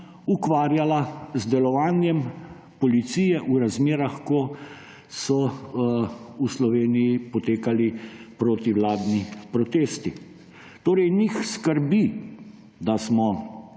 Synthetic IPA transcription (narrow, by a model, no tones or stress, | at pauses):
ukʋaːɾjalazd̪ɛlɔʋaːnjɛm | pɔlit̪siːjɛʔuɾazmeːɾaxkɔ | sɔ | uslɔʋeːnijipɔt̪eːkalipɾoːt̪iwlaːd̪nipɾɔt̪eːst̪i | t̪oːɾɛjnixskəɾbi | d̪asmɔ